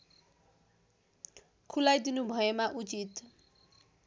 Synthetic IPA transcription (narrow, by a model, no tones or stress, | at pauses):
kʰulajd̪inubʱʌemaʔut͡sit̪